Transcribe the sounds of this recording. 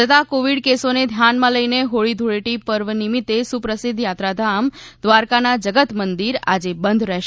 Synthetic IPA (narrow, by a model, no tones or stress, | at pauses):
ət̪akoʋiɽkesoned̪ʱjanmãləjneɦoɭid̪ʱuɭeʈipəɾʋənimit̪esupɾəsid̪ʱjat̪ɾad̪ʱamd̪ʋaɾkanad͡ʒəɡət̪mənd̪iɾa̰d͡ʒebənd̪ʱɾɛɦʃ